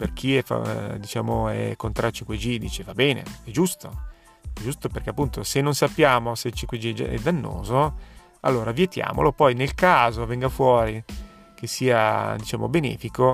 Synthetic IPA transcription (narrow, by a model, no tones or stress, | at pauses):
perk̟iɛfa̰d̪it͡ʃa̰ːmoɛ̰kːont̪ɾat͡ʃiŋkwed͡ʒid̪ḭːt͡ʃevabɛːnḛɛd͡ʒust̪o̰ | ɛd͡ʒust̪operkeapːunt̪osenːonsapːjaːmoset͡ʃiŋkwed͡ʒḭɛ̰d̪anːo̰ːzo | a̰lːoːɾavjet̪ja̰ːmo̰lopɔjnelkaːzovɛŋɡafwɔːɾi | kesːiːa̰d̪it͡ʃaːmo̰benɛ̰ːfiko